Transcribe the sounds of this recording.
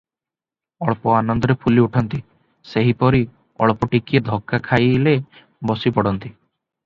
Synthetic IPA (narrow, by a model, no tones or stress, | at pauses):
ɔɭɔpɔanɔnd̪ɔɾepʰuliuʈʰɔnt̪i | seɦipɔɾi | ɔ̰ɭpɔʈikied̪ʱɔkːakʰajle | bɔsipɔɽɔnt̪i